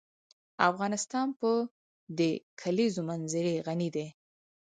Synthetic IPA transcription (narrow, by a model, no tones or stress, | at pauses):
afɣɑnɪst̪ɑnpə | d̪əkʰalizomanzɪɾeɣanid̪e